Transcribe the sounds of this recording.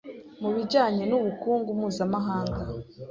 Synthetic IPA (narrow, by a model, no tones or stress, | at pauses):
muβiɟaːɲe̞nuβukuːŋɡumuːzamaɦaːŋɡa